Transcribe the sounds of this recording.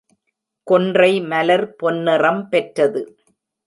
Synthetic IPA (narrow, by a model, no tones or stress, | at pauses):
kɔndrɐɪmɐlɐɾpɔnːɯrɐmpɛʈrɐðɯ